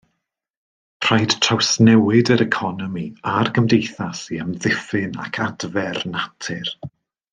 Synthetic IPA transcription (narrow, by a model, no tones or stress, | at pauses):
pʰr̥ajd̥tʰrawsnɛwɪdəɾɛkʰɔnɔmiarɡʰəmdejθasiəmðɪfɪna̰kʰadvɛrnatʰɪr